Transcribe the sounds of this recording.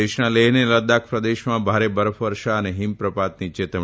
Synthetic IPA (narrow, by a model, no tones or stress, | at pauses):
eʃnãleɦneləd̪ak̚ʰpɾəd̪eʃmãbʱaɾebəɾəfʰʋəɾʃaəneɦimpɾəpat̪nit͡ʃet̪ə